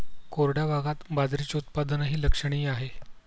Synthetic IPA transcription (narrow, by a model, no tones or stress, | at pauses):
koɾɽjabaɡat̪bad͡z̪ɾit͡ɕeut̪̚pad̪ənɦiːləkʂəɽ̃iːaɦe